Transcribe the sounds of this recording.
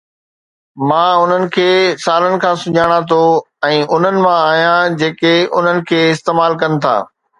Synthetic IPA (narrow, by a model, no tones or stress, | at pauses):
mãːʊn̤ənɪ̆kʰeːsaːlənɪ̆kʰãːsʊd͡ʑʱaːɽ̃at̪ʰo | ɛ̃ːʊn̤ənɪ̆mãaːɦijãd͡ʑeːkeʊn̤ənɪ̆kʰeːɪst̪eːmaːlkɐnɪ̆t̪ʰa̰ː